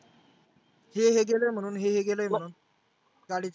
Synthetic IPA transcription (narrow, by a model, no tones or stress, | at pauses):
heɦeɡeləjm̤əɽ̃uːnɦeɦeɡeləːjm̤əɽuːn | ɡaɽit͡s